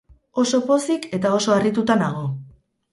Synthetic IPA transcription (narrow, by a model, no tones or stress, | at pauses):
o̞so̞po̞sike̞t̪ao̞so̞arit̪ut̪anaɣ̞o̞